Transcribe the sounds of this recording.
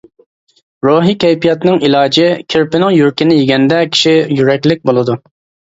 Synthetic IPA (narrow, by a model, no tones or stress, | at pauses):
ɾoːɦikʲʰɛjpijɑt̪nɨŋilˠɑːd͡ʒɪkʲʰɪɾpɪnɪŋjyɾkʲɪnɪjiɡʲɛnd̪ɛkʲʰi̥ʃijyɾɛkʲlɪk̚ʲbolˠɨd̪u